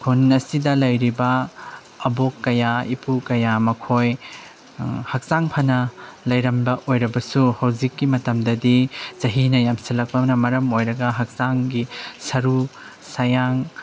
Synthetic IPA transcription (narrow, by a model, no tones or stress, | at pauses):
kʰunɐsidɐlɐjɾibɐ | ɐbokːɐjaipukɐjamɐkʰoj | hɐk̚zaŋpʰɐnɐlɐjɾɐmbɐʔojɾɐbɐsuhɐwzikːimɐtɐmdɐdizɐɦinɐjamsɐlɐk̚pɐmnɐmɐɾɐmojɾɐɡɐɦɐk̚zaŋɡisɐɾu | sɐjaŋ